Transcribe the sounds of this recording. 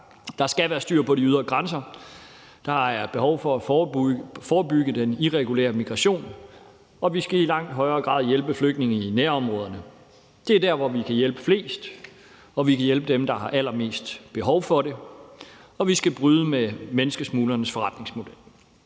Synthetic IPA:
d̥ɑ̈sɡ̥æʋæːɐsd̥yɐ̰pʰɒ̽ɾiyð̞ˠɐɡ̥ʁɑnsɐ | d̥ɑ̈ɑ̈æb̥e̝hɒʊfɒ̽æ | fɒːb̥yɡ̥əd̥eniʁɛɡ̥ulḛːɐmiɡ̥ʁɑ̈ɕo̝̰ːn | ɒ̽ʋisɡ̥æilɑ̈ŋ̰d̥ɦɒ̽ɪɐːɡ̥ʁɑ̰̈ːðˠjelb̥əfløɡ̥̚dne̝ŋ̩inæɐɒ̽mʁɔ̽ːð̞ˠɐnə | d̥e̝æɐdæɐʋɒʋikʰæjelb̥ə̥fle̝̰ːsd̥ | ɒ̽ʋikʰæjelb̥əd̥emd̥ɑ̈hɑ̈ʔæl̰ɐme̝̰ːsd̥b̥e̝ɦɒ̽ʊfɒ̽ɾe̝ | ɒ̽ʋisɡ̥æb̥ʁyːð̞ˠəmemenəsɡ̥əsmuːlɐnəsfɒʁɑ̈d̥ne̝ŋsmo̝d̥el̰

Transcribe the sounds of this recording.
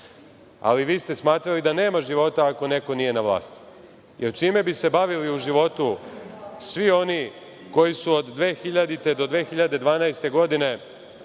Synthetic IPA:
a̰liʋiːst̪e̞smaːt̪ɾalid̪ane̞ːmaʒiʋo̞t̪aːko̞ne̞ko̞nije̞naʋlˠa̰ːst̪i̥ | jeɾt͡ʃiːme̞bise̞baʋiliuʒiʋo̞t̪u | sʋio̞ni | ko̞jisuod̪ːʋe̞ːxiʎad̪it̪e̞d̪o̞d̪ʋe̞ːxiʎad̪e̞d̪ʋaːnajst̪e̞ɡo̞d̪ine̞

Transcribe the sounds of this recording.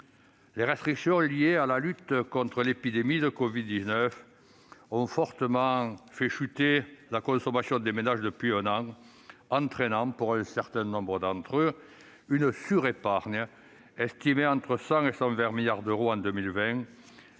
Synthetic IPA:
leʁɛst̪χiksjɔ̃liealalyt̪kɔ̃nt̪χəlepid̪emid̪əkɔvid̪ːiznœf | ɔ̃fɔʁt̪əmɑ̃fɛʃyt̪elakɔ̃sɔmasjɔ̃d̪emenaʒd̪əpɥiɛ̃nɑ̃ | ɑ̃t̪χenɑ̃puʁɛ̃sɛʁt̪ɛ̃nɔ̃mbʁəd̪ɑ̃nt̪χø | ynəsyʁepaʁɲə | ɛst̪imeɑ̃nt̪χəsɑ̃ŋesɑ̃vɛ̃ʁmiljaʁd̪øʁoɑ̃d̪əmilvɛ̃

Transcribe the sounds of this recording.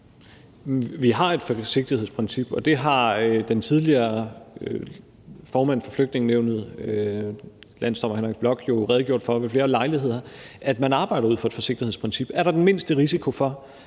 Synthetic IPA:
ʋiɦɑ̈e̝d̥fɒse̝ɡ̥̚d̥iheð̰ˠspʰʁɛnsib̥ɒ̽d̥e̝ɦɑ̈d̥ent͡sʰið̞ˠliɐː | fɒːmæn̰fɒfløɡ̥d̥ne̝ŋneʊnð̩ˠ | læn̰sd̥ɒ̽m̰ɐhenʁiɡ̥b̥lɒ̽ɡ̥jo̝ʁɛð̞ˠɡjo̝ɐ̰d̥fɒ̽ʋefle̝ːɐlɑ̈ɪliɦe̝ð̞̰ˠɐʔæd̥mænɑ̈ːb̥ɑ̈ɪɾ̥ɐuð̰ˠfɒ̽e̥fɒ̽se̝ɡ̥d̥ihḛspʰʁɛnsib̥æɐɾ̥ɑ̈d̥enme̝n̰sd̥əʁisikʰo̝fɒ̽

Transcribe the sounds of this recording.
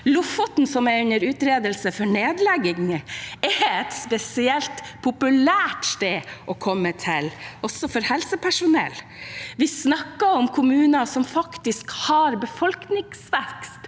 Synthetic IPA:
lʊfɔt̪nsɔmɛɾʉnəɾʉːt̪ɾeːd̪əlsəfɔɳeːd̪lɛɡɪŋɛɛt̪spɛsɪɛlt̪pʰʊpʉlæːʈst̪eːʔɔkʰɔmːət̪ʰɪlʔɔsɔfɔɾhɛlsəpʰæʂʊnɛ̰lː | ʋɪsnɑkːɑɔmkʰʊmʉːnɑsɔmfɑkt̪ɪskhɑɾbəfɔlknɪŋsʋɛkst̪

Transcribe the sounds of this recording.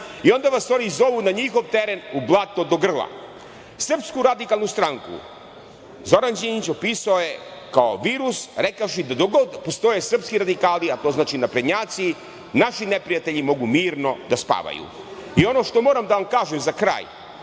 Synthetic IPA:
io̞nd̪aʋasoɾizo̞ʋunaɲixo̞ʋt̪eɾenublˠat̪o̞d̪o̞ɡr̩lˠa̰ | sr̩pskuɾad̪ikalˠnust̪ɾaŋkṵ | zo̞ɾand͡ʑinit͡ɕo̞piːsaoje̞kaoʋiːɾusɾekaʃ̬id̪ad̪oɡopost̪o̞jesr̩pskiɾad̪ikaːliat̪o̞znaːt͡ʃinapɾed̪ɲaːt̪si | naʃinepɾijat̪eʎimo̞ɡumiːɾno̞d̪aspa̰ʋa̰jṵ | io̞no̞ʃt̪o̞mo̞ːɾamd̪aʋamkaːʒemzakɾa̰ːj

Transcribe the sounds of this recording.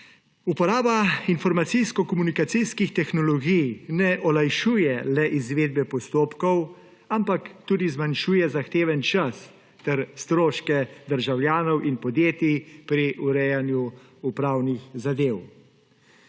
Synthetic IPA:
upɔɾaːbainfɔɾmat̪sijskɔkɔmunikat̪sijskixt̪ɛxnɔlɔɡijnɛʔɔlajʃuːjɛlɛʔizʋeːd̪̚bɛpɔst̪oːpkɔw | ampakt̪uːd̪izmanʃuːjɛzaxt̪eːʋɛnt͡ʃas | t̪ɛɾst̪ɾoːʃkɛd̪əɾʒawljaːnɔwʔinpɔd̪jeːt̪ipɾiʔuɾɛjanju | upɾaːwnixzad̪eːw

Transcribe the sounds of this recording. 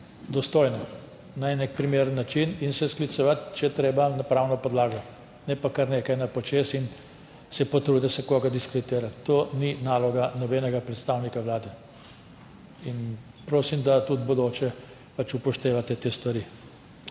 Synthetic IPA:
d̪ɔst̪oːjnɔ | naɛnek̚pɾimeɾənːat͡ʃininsɛsklit̪sɔʋat̪t͡ʃɛjɛt̪ɾeːbanapɾawnɔpɔd̪laːɡɔ | nɛpakaɾneːkajnapɔt͡ʃeːsin | sɛpɔt̪ɾud̪d̪ɐsɛkoːɡad̪iskɾit̪eːɾat̪t̪ːoːninaːlɔɡanɔbɛːnɛɡapɾɛt̪st̪aːwnikaʋlaːd̪ɛ | in | pɾoːsimd̪at̪ud̪bɔd̪oːt͡ʃɛ | pat͡ʃupɔʃt̪eːʋat̪ɛt̪eːst̪ʋaɾi

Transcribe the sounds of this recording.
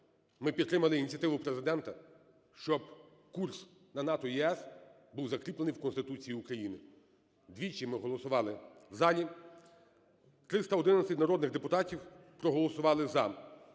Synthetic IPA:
mɪpʲit̪ːɾɪmɐlˠɪinʲit͡sʲjɐt̪ɪʋʊpɾe̞zɪd̪ɛnt̪ɐ | ʃt͡ʃɔb̚ | kurs | nɐnɑt̪ɔjiɛs | buwzɐkɾʲiplˠenɪjwkɔnst̪ɪt̪ut͡sʲijiukɾɐjinɪ̰ | d̪ʲʋʲit͡ʃimɪɦɔlˠɔsʊʋɑlˠɪzɑlʲi | t̪ɾɪst̪ɐɔd̪ɪnɐsʲɪtʲnɐɾɔd̪nɪɣd̪epʊt̪ɑtʲiwpɾɔɦɔlˠɔsʊʋɑlˠɪzɐ

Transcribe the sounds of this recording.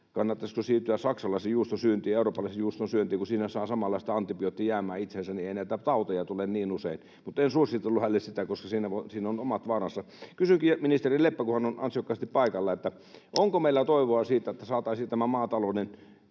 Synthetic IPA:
kɑnːɑt̪ːɑskusiːt̪yæsɑksɑlɑˑisijuːst̪onsyːnt̪iːeuroːpːɑlɑˑisejuːst̪osyønt̪ˑiːkusiːnæsɑːsɑmɑlːɑist̪ɑɑnt̪ipiot̪ːijæːmæːit̪sensænieˑinæˑit̪æt̪ɑut̪ɑjɑt̪ulenniːnusein | mut̪ensusit̪ːelːuhælːessit̪ækoskɑsiːnæʋosiːnonomɑt̪ʋɑːrɑsːɑ | kysyŋkiminist̪erilepːækuhɑnonɑ̰nsiokːɑˑist̪ippɑikɑlːɑet̪ːæ | ʔoŋkomeilːæt̪oˑiʋoɑsiːt̪ːæet̪ːæsɑːt̪ɑˑisit̪æmæmɑːt̪ɑlonen

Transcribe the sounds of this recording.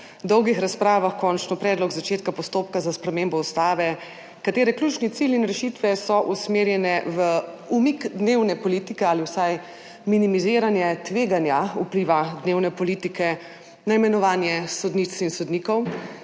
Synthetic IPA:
d̪ɔwɡixɾaspɾaːʋaxkɔnt͡ʃnɔpɾɛːd̪lɔɡzat͡ʃeːt̪̚kapɔst̪oːp̚kazaspɾɛmembɔɔst̪aːʋɛ | kat̪eːɾɛklʲut͡ʃnit̪silinɾɛʃit̪ʋɛsɔʔusmeːɾjɛnɛʋə | umikd̪neːwnɛpɔlit̪ikɛaliwsaj | minimiziːɾanjɛt̪ʋeːɡanjaupliʋad̪neːwnɛpɔliːt̪ikʰɛ | naimɛnɔʋaːnjɛsɔd̪nit̪sinsɔd̪nikɔw

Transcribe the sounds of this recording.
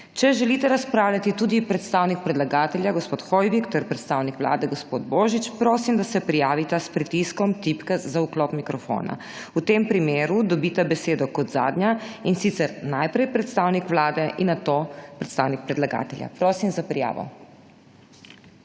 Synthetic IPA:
t͡ʃɛʒɛlit̪ɛɾaspɾaːwlʲjat̪it̪ud̪ipɾɛt̪st̪aːwnik̚pɾɛd̪laɡaːt̪ɛljaɡɔspoːt̪xɔjʋikt̪ɛɾpɾɛt̪st̪awnikʋla̰ːd̪ɛɡɔspoːd̪boːʒit͡ʃpɾoːsimd̪asɛpɾijaːʋit̪aspɾit̪iskɔmt̪ipkazaukloːpmikɾɔfo̰ːna̰ | ut̪empɾimeːɾud̪ɔbit̪abɛseːd̪ɔkɔd̪za̰ːd̪nɲjainsit̪sɛɾnajpɾɛjpɾɛt̪st̪awnikʋlaːd̪ɛʔinːat̪oːpɾɛt̪st̪aːwnik̚pɾɛd̪laɡa̰ːt̪ɛlʲja̰pɾoːsimzapɾija̰ːʋɔ̰

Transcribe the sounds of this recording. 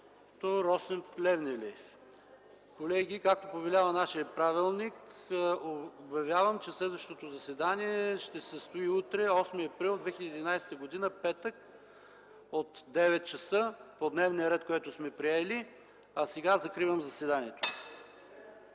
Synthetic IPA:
t̪oɾɔsɛmplɛvnɛlɛ | kolɛɡ̟ikak̚t̪opovɛlʲavənaʃiəpɾavilˠnik | objɐvʲjavəmt͡ʃɛslɛd̪vəʃt̪ot̪ozɐsɛd̪aniɛʃt̪ɛsəst̪oiut̪ɾɛɔsmiɐpɾilˠd̪vɛxʲilʲəd̪iːd̪inajsɛ̥t̪əɡod̪inəpɛt̪ək | ot̪d̪ɛvɛt̪̚t͡ʃɐsɤpod̪nɛvnijəɾɛt̪koɛt̪ʊsmɛpɾiɛli | ɐsɛɡazɐkɾivəmzɐsvɛd̪aniɛt̪o̥

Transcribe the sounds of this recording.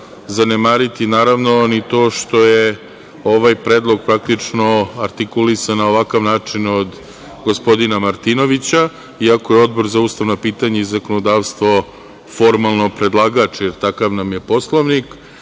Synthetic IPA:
zanemaːɾit̪inaːɾaʋno̞nit̪o̞ːʃt̪o̞je | o̞ʋajpɾeːd̪lˠo̞ɡ̚pɾak̚t̪it͡ʂnoaɾt̪ikulisanaoʋakaʋnaːt͡ʂinod̪ | ɡo̞spo̞d̪inamaɾt̪ino̞ʋit͡ɕa | iako̞jeo̞d̪̚bo̞ɾzauːst̪aʋnopiːt̪aɲaizakonod̪aːʋst̪ʋo̞ | fo̞ɾmalˠno̞pɾe̞d̪lˠaɡat͡ʃjeɾt̪akaʋnamje̞po̞slˠoʋnik

